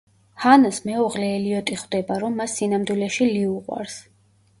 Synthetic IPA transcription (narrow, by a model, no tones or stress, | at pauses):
hanasmɛɔʁlɛːliɔt̪ʼiχwd̪ɛbaɾɔmːasːinamd̪wilɛʃiliuqʼwa̰ɾs